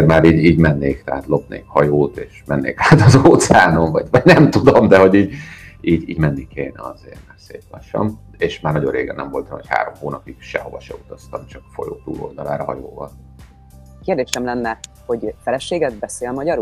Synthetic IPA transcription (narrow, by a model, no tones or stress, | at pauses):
rmaːɾiːɟiːɟmɛnːeːkt̪ɛaːt̪lo̞pnḛːkhɒjoːt̪eːʃmɛnːḛːkaːt̪ɒzoːt̪sɛaːno̞ɱvɒɟvɒɟnɛmt̪ud̪omd̪ɛɦo̞ɟiːɟiːɟḭːɟmɛnːikeːnɛɒzḛːrmɛrsḛːt̪lɒʃːɒ̰m | eːʃmaːrnɒɟo̞rrḛːɡɛ̰nɛmvo̞lt̪ɑmho̰cha̰ːɾo̞mhoːnɒpiɡ̥ʃɛ̰ho̞vɒʃɛut̪ɒst̪ɒmt͡ʃɒkfo̞̰jo̰ːt̪ṵːlo̞̰ld̪ɒlaːɾɒɦɒ̰joːvɒl | keːrd̪eːʃɛmlɛnːɛ | ho̞ɟfɛlɛʃeːɡɛd̪̚bɛseːlmɒɟɒɾ